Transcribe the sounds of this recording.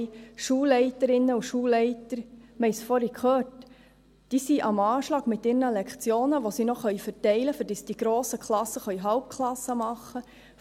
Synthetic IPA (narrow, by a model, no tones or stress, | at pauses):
ʃuːlɛɪtəɾɪnːəuʃuːlɛɪtəɾmɛjsfɔɾikχøːt | d̥iːsiʔɑmɑːʃlɑːɡ̥mɪt̪ːɪːɾnəlɛkχt͡sjoːnəʋosinoχœʏfəɾtɛɪləfʏɾd̥isd̥iɡ̥ɾoːsəkχlɑsːəχœɥɦɑwp̚kʰlɑsːəmɑχːə